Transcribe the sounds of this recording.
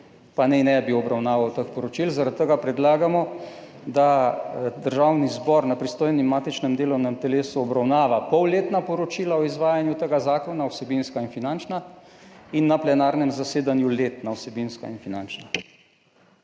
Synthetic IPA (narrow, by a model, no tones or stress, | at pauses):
panɛnɛbiwɔbɾawnaːʋawt̪əkpɔɾɔt͡ʃilzaɾat̪̚ːəɡapɾɛd̪laːɡamɔ | d̪ad̪əɾʒaːwnizbɔɾnapɾist̪oːjnimːaːt̪it͡ʃnɛmd̪eːlɔwnɛmt̪ɛleːsuɔbɾawnaːʋapɔwleːt̪napɔɾɔt͡ʃilaɔizʋaːjanjut̪əɡazaːkɔnawsɛbinskainfinant͡ʃna | inːaplɛnaːɾnɛmzaseːd̪anjuleːt̪nawsɛbinska̰infinant͡ʃna